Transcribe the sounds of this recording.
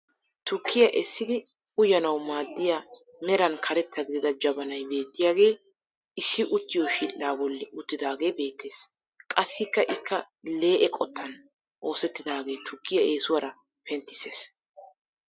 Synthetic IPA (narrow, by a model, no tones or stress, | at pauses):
t̪ʊkːɪjɐʔɛsːɪd̪ɪ | ʊjɐnɐwmaːd̪ːɪjamɛɾɐnkʰɐɾɛt̪ːɐɡɪd̪ɪd̪ɐd͡ʒɐbɐnɐjbe̞ːt̪ːɪjaːɡe̞ː | ɪsːɪʔʊt̪ːɪjoːʃiːlːaːbɔlːɪʊt̪ːɪd̪aːɡe̞ːbe̞ːt̪ːeːs | kʼɐsːɪkːɐʔɪkːɐ | le̞ːʔɛkʼɔt̪ːɐn | ʔo̞ːsɛt̪ːɪd̪aːɡe̞ːt̪ʊkːɪjɐʔe̞ːsʊwɐɾɐ | pʰɛnt̪ːɪ̥se̞ːs